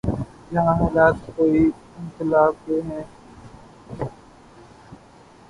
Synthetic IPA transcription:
jəɦãːɦaːlaːt̪koːiː | ɪnkɪlaːb̚keːɦɛ̃ː

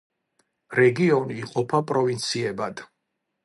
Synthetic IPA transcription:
ɾɛɡiɔniːqʼɔpʰapʼɾɔvint̪sʰiɛbad̪̥

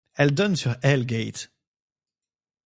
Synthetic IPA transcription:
ɛld̪ɔnsyʁɛlɡet̪

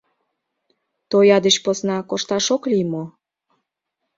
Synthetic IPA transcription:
t̪ojɑd̪eʃposnɑkoʃt̪ɑʃoklimo

